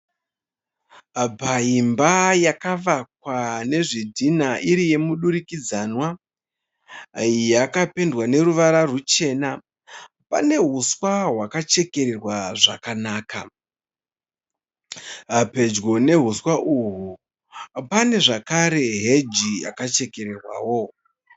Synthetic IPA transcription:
paimbajakaʋak̚wane̞ʐidʱinaʔiɾije̞muɗuɾikid͡zanwa | jakape̞ndwane̞ɾuʋaɾarut͡ʃe̞na | pa̰ne̞ɦuswaɦwakat͡ʃe̞ke̞ɾerwaʐa̰kanaːka | pe̞d͡ʒɡo̞ne̞ɦuswaʔuɦu | pane̞ʐakaɾe̞ɦed͡ʒia̰kat͡ʃe̞ke̞ɾe̞rwa̰ːwo

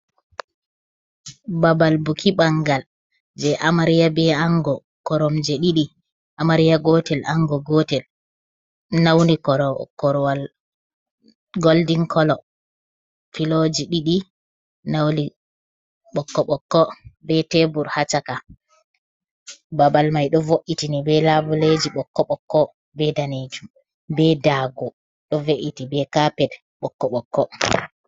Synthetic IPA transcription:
babalbukʰiɓaŋɡal | d͡ʒɛʔamaɾijabɛaŋɡɔ | kɔɾɔmd͡ʒɛɗiɗi | ʔamaɾijaɡɔtɛlʔaŋɡɔɡɔtɛl | nawnikɔɾkɔɾwal | ɡoldiŋkʰɔlɔ | filod͡ʒiɗiɗi | nawnli | ɓɔkːɔɓɔkːɔbɛtebuɾhat͡ʃaka | babalmajɗɔvoʔitinibɛlabuled͡ʒiɓɔkːɔɓɔkːɔ | bɛdaned͡ʒum | bɛdaːɡɔ | ɗɔveʔitibɛkapɛd | ɓɔkːɔɓɔkːɔ

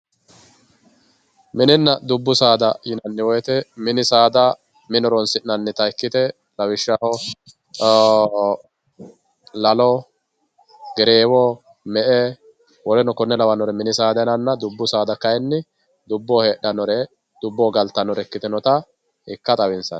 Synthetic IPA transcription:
mɪnɪnːɐd̪ʊbːʊsaːd̪ɐjɪnɐnːɪwɔjɛt̪ɛmɪnɪsaːd̪ɐ | mɪnɔɾɔnsɪnːɐnːɛt̪ɐɪkːɪt̪ɛ | lɐwɪʃːahɔ | lɐlɔ | ɡɛɾeːwɔ | mɛʔɛ | wɔlɛnɔkɔnːɛlɐwɐnɔɾɛmɪnɪsaːd̪ɐnɐnːɐd̪ʊbːʊsaːd̪ɐkɐjɛnːɪ | d̪ʊbːɔheːɗɐnɔɾɛ | d̪̥ʊbːɔɡɐlt̪ːɐnɔɾɛkːɪt̪ɛnɔt̪ɐ | ɪkːɐt̪ʼɐwɪnsɐ̰n

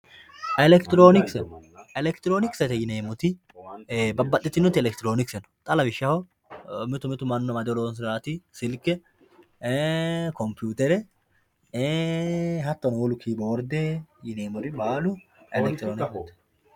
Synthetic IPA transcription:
ɛlɛkt̪ɪɾoːnɪksɛn | ɛlɛkt̪ɪɾoːnɪksɛt̪ɛjɪneːmʊt̪ɪ | bɐbːɐt̪ʼːɪt̪ːɪnʊt̪ːɪɛlɛkt̪ɪɾoːnɪksɛnɔ̥t̪ʼɐlɐbɪʃːɐhɔ | mɪt̪ʊmɪt̪ʊmɐnːʊnɐmɐd̪ɛɔlɔɔns̬ɪaːt̪ɪsɪlkːɛ | kɔmpjuːt̪ɛɾɛ | ɦɐt̪ːɐnɔwɔlʊkʰiːbɐwɔɾd̪eːjɪneːmɔɾɪbaːlʊɛlɛkt̪ɪɾoːnɪkt̪ːɛ̥

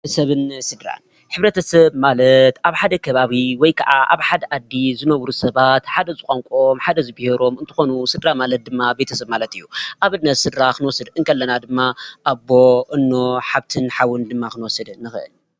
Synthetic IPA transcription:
sɐβɨnsɨd̪ɾa̰n | ħɨβɾɐt̪ʰɐsɐbmalɐt̪ʔaβħad̪ɐkʰɐβaβiwɔjkʰɐ̰ʕaʔa̰βħad̪ɐʔad̪ːizɨnɐwɾusɐβat̪ħad̪ɐzɨkʷʼaŋkʼo̞mħad̪ɐzɨbiheɾo̞mɨnt̪ʰɨ̥xo̞nusɨd̪ɾamalɐt̪̚d̪ɨmːabe̞t̪ʰɐsɐβmalɐt̪ɨjːuʔaβɨnnːɐt̪sɨd̪ɾakɨnwɔsɨd̪ɨŋkʰɐlːɐnad̪ɨmːaʔabo̞ʔɨnːoħaβt̪ʰɨnħawɨnd̪ɨmːaxɨnwɔsɐd̪nːɨxɨʔɨ̰l

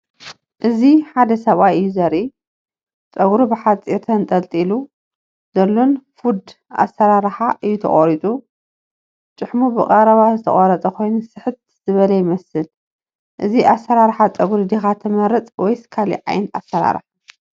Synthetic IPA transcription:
ʔɨziħad̪ɐsɐβajɨjːuzɐɾi | t͡sʼɐɡɾubɨħat͡sʼiɾt̪ʰɐnt̪ʼɐlt̪ʼilu | z̥ɐlːonfud̪ | ʔa̰sːɐɾaɾħaʔɨjːut̪ʰɐ̰χʼoɾit͡s̪ʼu | t͡ʃʼɨħmubɨqʼɐɾɐβazɨt̪ʰɐ̰χʼɐɾɐt͡sʼɐkʰo̞jnusɨħɨt̪̚ | z̥ɨβɐlɐjɪmɐsɨl | ʔɨziʔasːɐɾaɾħat͡sʼɐɡɾud̪ixat̪ʰɐmɐɾɨt͡sʼwɔjsɨ̥kʰalḭʕa̰jnt̪a̰sːɐɾa̰ɾħ

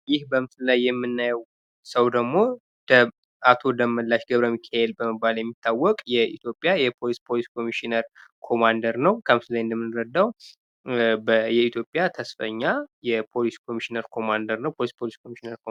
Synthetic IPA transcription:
jɪhbəmsɨlajːɛmːɨnːajɛw | səwd̪əɡmo̞ | d̪ə | at̪ʰo̞d̪əmːəlːaʃɡəβɾəmikʰaelbəməbːaljɛmːit̪ʰːawːɔkʼjɛḭt̪ʰjo̞pʼːjajɛpʰo̞lispʰo̞liskʰo̞miʃinəɾkʰo̞mand̪əɾnəwkʰəmsɨlajɨnd̪əmːɨnɾəd̪ːaw | bəjɛit̪ʰjo̞pʼjat̪ʰəsfə̰ɲːajɛpʰo̞liskʰomiʃinəɾkʰo̞mand̪əɾnəwpʰo̞lispʰoliskʰomiʃinəɾko

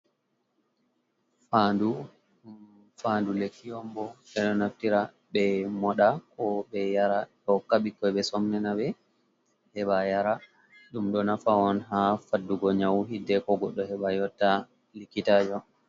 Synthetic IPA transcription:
fandu | fandulekːiɔmbɔɓɛɗɔnaftiɾa | ɓɛmɔɗakɔbɛjaɾaɗɔkːaɓikːɔɓɛsɔmnɛnaɓɛ | hɛɓajaɾa | ɗumɗɔnafaɔnɦafadːuɡɔɲawɦidːɛkɔɡɔɗːɔhɛɓajɔtːa | likːitaːd͡ʒɔ

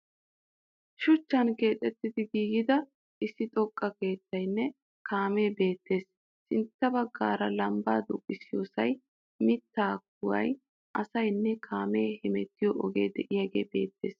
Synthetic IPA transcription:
ʃʊt͡ʃːɐnke̞ːt̪ʼɛt̪ːɪd̪ɪɡiːɡɪd̪ɐ | ʔɪsːɪt̪ʼɔkʼːɐke̞ːt̪ːɐjnːɛ | kaːme̞ːbe̞ːt̪ːe̞ːs | sɪnt̪ːɐbɐɡːaːɾɐlɐmbaːd̪ʊkʼːɪsɪjo̰ːsɐj | mɪt̪ːaːk̚ʊwɐ̰j | ʔɐsɐjnːɛkʰaːme̞ːhɪmɛt̪ːɪjɔʔɔɡe̞̰ːd̪ɛʔɪjɐɡe̞̰ːbe̞̰ːt̪ːe̞̰ːs

